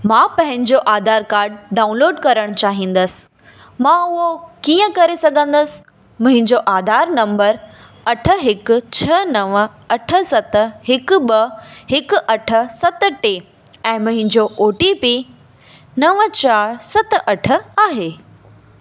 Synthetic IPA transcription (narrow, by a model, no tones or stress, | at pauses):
mãːpɐ̃ɦɪ̃ɲd͡ʑoʔaːd̪ʱaːɾkaːɾɖ̚ɖaːʊ̃nloːɖkɐɾəɽ̃t͡ɕaːɦĩːn̆d̪əsɪ̥ | mãʊɦokiːə̃kɐɾesɐɡʱə̃nd̪əsɪ̥ | mʊ̃ɦɪ̃ɲd͡ʑoʔaːd̪ʱaːɾnɐ̃mbəɾ | ɐʈʰə̆ɦɪkʊ̆t͡ɕʰɐnɐʋə | ɐʈʰə̆sɐt̪ɦɪkʊɓɐhɪkʊ̆ʔɐʈʰə̆sɐt̪ʈeː | ɛ̃ːmʊ̃ɦɪ̃ɲd͡ʑoʔoːʈipiː | nɐʋət͡ɕaːɾsɐt̪ʔɐʈʰə̆aːɦeː